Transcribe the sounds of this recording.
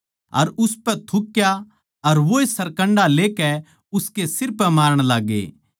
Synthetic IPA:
ɐ̰ɾʊspɛt̪ʰʊkːja | ɐɾʋoːesɐɾkə̃ɳɖaleːkɛ | ʊskesɪɾpɛmaːɾəɽ̃laːɡḛː

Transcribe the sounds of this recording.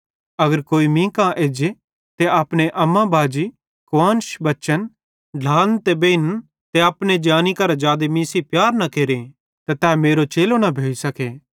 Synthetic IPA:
ɐɡəɾkoːimĩkãʔeːd͡ʒe | t̪eaːpɽ̃eʔɐmːãbʱaːd͡ʒi | kʋãːnʃbɐʃən | ɖʱaːnt̪ebeːn | t̪eaːpned͡ʒaːnikɐɾad͡ʒaːd̪emĩːsipjaːɾnɐkeːɾẽ | t̪at̪ɛːmeːɾot͡ʃeːlonɐbʱeːisɐkeː

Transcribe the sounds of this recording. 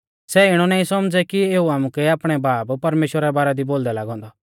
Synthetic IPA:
sɛɪɽ̃ɔnaːĩsɐmd͡zɛkieːuaːmũkɛaːpɽ̃ɛbaːbpɐɾmeːʃwəɾɛbaːɾɛd̪iboːld̪ɛlaːɡɦɔ̃ːnd̪ɔ

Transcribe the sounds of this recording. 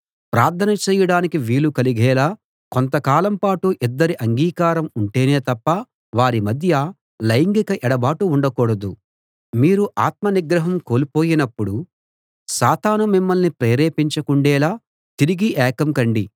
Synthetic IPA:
pɾaːɾt̪ʰɐnɐt͡ʃɛːjɐɽaːnikiʋiːlukɐliɡɛːlaː | kont̪̬ɐkaːlɐmpaːʈuʔid̪ːɐɾiʔɐŋɡiːkaːɾɐmuɳʈe̞ːneːt̪ɐpːɐ | ʋaːɾimɐd̪ʱjɐ | lɐjiŋɡikɐʔɛɽɐbaːʈuːɳɖɐkɔːɽɐd̪u | miːɾuʔaːt̪̚mɐniɡɾɐɦɐmko̞ːlipo̞ːjinɐpːuɽu | saːt̪aːnumimːɐlnipɾeːɾeːpiɲt͡ʃɐkuɳɖɛːlaː | t̪iɾiɡiʔɛːkɐmkɐɳɖi

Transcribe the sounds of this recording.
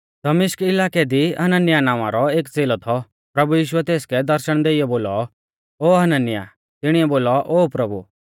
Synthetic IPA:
d̪̥ɐmɪʃkɪlaːkɛd̪iɐnənɪjanaːʋ̃ã̰ɾɔeːkd͡zeːlɔt̪ʰɔ | pɾɐbujiːʃuɛt̪eːskɛd̪ɐɾʃəɽ̃d̪eːɪjɔboːlɔ | oːɦɐnənɪja̰ | t̪ɪɽ̃iɛboːlɔʔoːpɾɐbṵ

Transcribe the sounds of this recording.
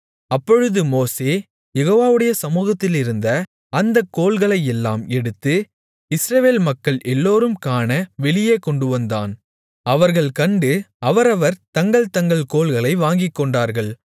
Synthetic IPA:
ɐpːɔɻɯðɯmoːseː | jɛɣoːʋaːʋɯɽɐjɐsɐmuːɣɐt̪ːɪlɪɾɯnd̪ɐ | ɐnd̪ɐkːoːlɣɐɭɐɪjɛlːa̰ːmɛɽɯt̪ːɯ | ɪsɾɐʋeːlmɐkːɐɭʔɛlːoːɾɯmkaːnɐʋɛɭɪjeːkɔɳɖɯʋɐnd̪a̰ːn | ɐʋɐɾɣɐɭkɐɳɖɯɐʋɐɾɐʋɐɾt̪ɐŋɡɐɭt̪ɐŋɡɐɭkoːɭɣɐɭɐɪʋaːŋɡɪkːɔɳɖaːɾɣɐɭ

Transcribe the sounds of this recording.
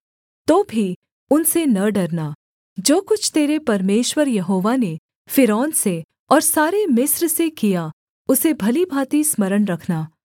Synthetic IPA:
t̪oːbʱi | ʊnsenɐɖɐɾnaː | d͡ʒoːkʊt͡ʃʰt̪eːɾepɐɾmeːʃwəɾjɐɦoːʋane | fɪɾɔːnse | ɔːɾsaːɾemɪsɾsekija | ʊsebʱɐlibʱaːt̪ismɐɾəɳɾɐkʰnaː

